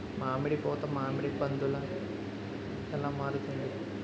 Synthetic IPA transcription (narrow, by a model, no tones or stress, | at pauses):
maːmiɽipɔːt̪ɐmaːmiɽipɐnd̪ulɐ | ɛlaːmaːɾut̪und̪i